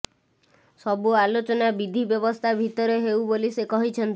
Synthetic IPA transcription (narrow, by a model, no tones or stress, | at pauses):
sɔbualot͡ʃɔnabid̪ʱibjɔbɔst̪ʰabʱit̪ɔɾeɦewbolisekɔɦit͡ʃʰent̪